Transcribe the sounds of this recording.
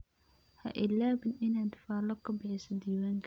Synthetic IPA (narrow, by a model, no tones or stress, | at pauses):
hɐ̰ʔɪlaːbɪnʔɪnaːd̪faːlɐkʰɐbɪʕɪsɐd̪iːwaːŋk